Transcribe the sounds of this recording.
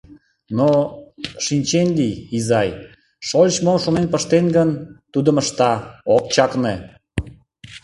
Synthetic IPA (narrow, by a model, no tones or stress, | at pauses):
no | ʃinʲt͡ɕenlʲiizɑj | ʃolʲt͡ɕmomʃonenpəʃt̪enɡənt̪ud̪əməʃt̪ɑok̚t͡ɕɑkne